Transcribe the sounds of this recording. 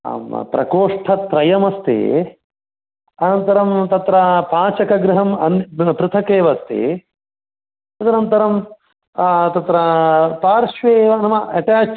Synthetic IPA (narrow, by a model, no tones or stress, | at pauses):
pɾɐ̰koːʂʈʰɐt̪ɾɐjɐmɐst̪ḛː | ɐnɐnt̪ɐɾɐmt̪ɐt̪ɾɐpaːt͡ʃɐkɐɡɾɪɦɐmɐnpɾɪt̪ʰɐkeːʋɐst̪ḛː | ɐd̪ɐnɐnt̪ɐɾɐm | t̪ɐt̪ɾɐpaːɾʃʋeːʋɐnɐmɐɐʈaːt͡ʃ